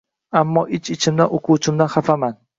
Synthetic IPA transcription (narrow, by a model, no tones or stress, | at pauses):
amːɒʔɪt͡ʃɪt͡ʃʰɪmd̪aʔoqʰʊt͡ʃʰɪmd̪anχafaman